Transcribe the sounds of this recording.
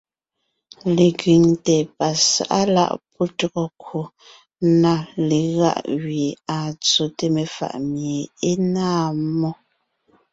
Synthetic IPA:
le˨ɡi˨ŋtɛ˨pa˨sa̰˨ʔa̰˦la̰˦˨ʔpɔ˦tɔ˦ɣɔ˨kwu˨ | na˦˨le˨ɣa̰˦˨ʔwɥi˨a˨t͡so˨te˦me˨fa̰˨ʔmje˨e˦naː˦˨mɔ˦

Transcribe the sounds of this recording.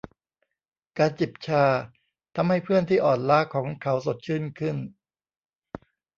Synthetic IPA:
kaː˧nt͡ɕi˨˩p̚t͡ɕʰaː˧ | t̪ʰa˧mha˥˩jpʰɯ˥˩ənt̪ʰiː˥˩ʔɔː˨˩nlaː˦˥˩kʰɔː˩˦ŋkʰa˦˥wso˨˩t̪̚t͡ɕʰɯː˥˩nkʰɯ˥˩n

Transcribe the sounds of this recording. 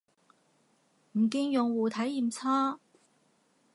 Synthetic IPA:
m̩˨˩kiː˧ŋjʊ˨ŋwuː˨t̪ʰɐ˨˥jːiː˨mt͡sʰaː˥

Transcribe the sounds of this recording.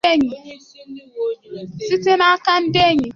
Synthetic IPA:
e˦˨ɲi˨ | si˦te˦na˦a˦ka˦n̩˦de˦˨ɲi˨

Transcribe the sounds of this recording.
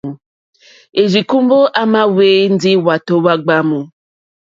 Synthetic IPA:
e˨d͡ʒi˨kũ˦m̩˦bo˦ʔa˦mã˦we˦n̩˦di˦wa˨to˨wa˦ɡ͡ba˦mũ˨

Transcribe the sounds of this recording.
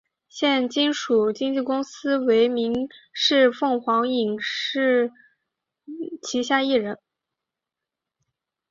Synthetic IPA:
ɕjɛ˥˩nt͡ɕi˥nʂu˨˩t͡ɕi˥ŋt͡ɕi˥˩kʊ˥ŋsɹ̩˥we˧˥ɪmi˧˥ŋʂɻ̩˥˧fɤ˥˩ŋxwɑ˧˥ŋi˨˩ŋʂɻ̩˥˩ | t͡ɕʰi˧˥ɕja˥˧i˥˩ɻə˧˥n

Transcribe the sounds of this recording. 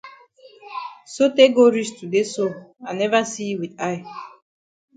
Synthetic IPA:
so˦te˦ɡo˦ɾi˦stu˨de˦so˦ã˨nɛ˦va˦si˦wi˨da˦ɪ

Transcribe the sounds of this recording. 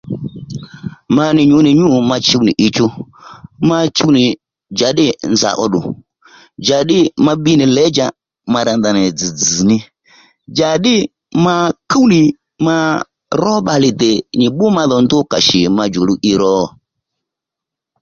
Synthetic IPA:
ma˧nɪ˨ɲʊ˨˦nɪ˨ɲu˦˨ma˧t͡ʃi˦u˦nḭ˨ʔi˧t͡ʃu˦ | ma˧t͡ʃu˦nɪ˨ | d͡ʒa˨˦ɗɪ˦nza̰˨ʔɔ˧ɗʊ˨ | d͡ʒa˨ɗɪ˦ma˧ɓi˦nɪ˨lɛ˨˦d͡ʒa˨ | ma˧ɾa˧nda˨nɛ˨d͡zi˨d͡zi˨nɪ˧ | d͡ʒa˨ɗɪ˦ | ma˧ku˦wnɪ˨ | ma˧ | ɾɔ˦ɓa˧lɪ˨dɛ˨ɲi˨ɓʊ˦ma˧ðɔ˨ndʊ˦ka˨ʃi˨ma˧d͡ʒo˨lu˦ʔi˧ɾɔː˦˨

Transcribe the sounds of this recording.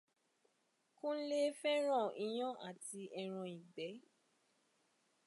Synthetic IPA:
kũ˦le˦fɛ˦ɾ̃ɔ̃˦˨ĩ˧j̃ɔ̃˦ʔa˦˨ti˧ɛ˧ɾ̃ɔ̃˧i˨ɡ͡bɛ˨˦

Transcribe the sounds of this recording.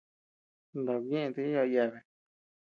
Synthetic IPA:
nd̪a˨βẽ˦˧t̪e˧˦a˧ja˧βe˧

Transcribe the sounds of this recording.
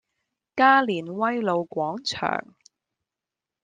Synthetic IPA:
kaː˥liː˨˩nwɐ˥jlo˨˧wkʷɔː˨˥ŋt͡ʃʰœ̰ː˨˩ŋ

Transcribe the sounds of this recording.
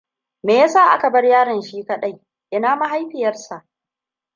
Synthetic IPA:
meː˨jaː˦saː˦˨ʔa̰˦ka˨bɐ˦rjaː˦ɽɪ˨nʃiː˦kɐ˦ɗɐ˦˨j | ʔɪ˦naː˦ma˦ɦa˦jɸɪ˨jɐ˦rsa˨ʔ

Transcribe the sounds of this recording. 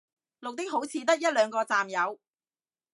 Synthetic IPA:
lʊ˨k̚t̪ɪ˥k̚ɦo˨˥wt͡sʰiː˨˧t̪̬ɐ˥k̚jɐ˥t̚lœː˨˧ŋkɔː˧t͡saː˨mjɐ˨˧w

